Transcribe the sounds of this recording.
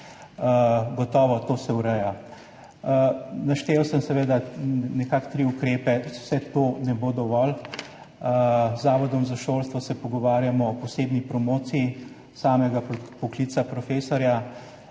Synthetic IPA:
ɡɔt̪ɔːʋɔt̪oːsɛwɾɛja | naʃt̪eːwsəmsɛʋed̪anɛkakt̪ɾiukɾeːpɛwsɛt̪oːnɛboːd̪ɔʋɔl | zaːʋɔd̪ɔmzaʃoːlst̪ʋɔsɛpɔɡɔʋaːɾjamɔpɔseːbnipɾɔmoːt̪sii | saːmɛɡapɔklit̪sapɾɔfeːsɔɾja

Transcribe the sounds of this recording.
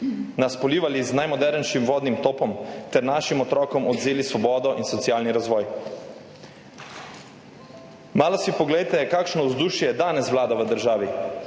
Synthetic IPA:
naspɔliːʋaliznajmɔd̪ɛɾnʃimʋɔːd̪nimt̪oːpɔmt̪ɛɾnaːʃimɔt̪ɾɔːkɔmɔd̪zeːlisʋɔbɔːd̪ɔʔinsɔt̪sijaːlniɾazʋɔːj | maːlɔsipɔɡlɛjt̪ɛkaːkʃnɔuzd̪uʃjɛjɛd̪aːnɛsʋlaːd̪aʋəd̪əɾʒaːʋi

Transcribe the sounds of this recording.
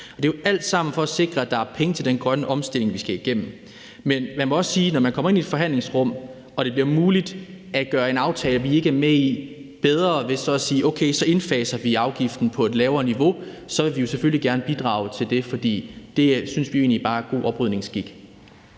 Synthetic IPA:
ɒ̽d̥e̝joʔæl̰d̥sɑ̈m̰n̩fɒ̽æse̝ɡ̥ʁɐæd̥ɑ̈æɐpʰeŋət͡sʰe̝ld̥enɡ̥ʁɶnəʔɒ̽msd̥e̝l̰e̝ŋʋisɡ̥æiɡ̥em̰m̩ | menmænmɒ̽ɒ̽ssiːnɒmænkʰɒ̽mɐe̝nied̥fɒ̽ɦæn̰le̝ŋsʁɔ̽m̰ | ɒ̽d̥e̝b̥liɐmuːlid̥ | ʔæɡ̥ɶːɐe̝nɑ̈ʊt͡sʰɛːləʋie̝ɡ̥əæɐmei | b̥eð̞ˠʁɐʋe̝sɒ̽æsiːʔoʊkʰeɪsɒ̽e̝nfɛːsɐʋiɑ̈ʊɡ̥ifd̥n̩pʰɒ̽æd̥lɛːʊɐːniʋo̝ | sɒ̽ʋe̝ʋijo̝sefølliɡ̥æɐnəb̥id̥ʁɑ̰̈ʊt͡sʰe̝ld̥e̝fɒ̽d̥ḭːd̥e̝synsʋioe̝̰ːnlib̥ɑ̈ːɡ̥o̝̰ːʔɒ̽b̥ʁyð̰ˠne̝ŋsɡ̥iɡ̥

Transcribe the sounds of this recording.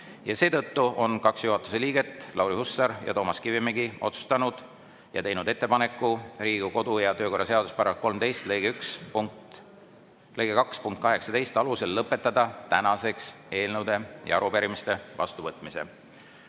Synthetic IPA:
jɑse̞ːt̪ɤ̞t̪ːuʔo̞nkɑksjuɦɑt̪ːˑu̥se̞liːɡ̥e̞t̪ːˑlʔɑwɾihusːɑɾjɑ̰t̪o̞ːmɑskivimeɡio̞̰t̪su̥st̪ɑnud̪̥ | jɑ̰t̪e̞jnud̪e̞t̪ˑːe̞pɑne̞kˑːuɾiːɡ̥uko̞d̪̥ujɑt̪ø̞ːko̞rːɑse̞ɑd̪̥uspɑɾɑko̞lmt̪ejst̪lejɡ̥eykspuŋ | lejɡekɑkspunŋkt̪kɑɦe̞ksɑt̪e̞jst̪ɑluse̞lːɤpːˑe̞t̪ːˑɑd̪̥ɑt̪ænɑse̞ks | e̞ːlnəwd̪e̞jɑ̰ɑɾupeɾimist̪e̞vɑ̰st̪uvɤt̪ːˑmise̞̰

